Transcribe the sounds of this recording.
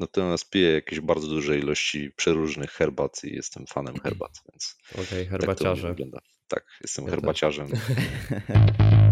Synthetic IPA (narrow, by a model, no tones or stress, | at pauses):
nat̪ɔmʲjaspʲijɛjakʲeʑbaɾdzɔd̪uʐɛilɔɕt͡ɕipʂɛɾuʐnɨxxɛɾbat̪ʰḭjɛ̰st̪ɛmfanɛmxɛ̰ɾba̰t̪vʲjɛ̰nt̪skat̪ɔvvɡlɔnd̪a̰ | t̪a̰kjɛ̰st̪ɛmxɛɾbat͡ɕaʐɛm